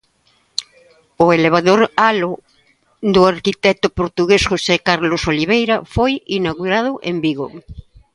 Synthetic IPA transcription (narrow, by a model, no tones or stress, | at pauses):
ʊeleβ̞aðoɾalo | d̪ʊaɾkit̪ɛt̪ʊpoɾt̪uɣesxosekaɾlosoliβ̞ejɾafojinaɣuɾaðʊʔembiɣo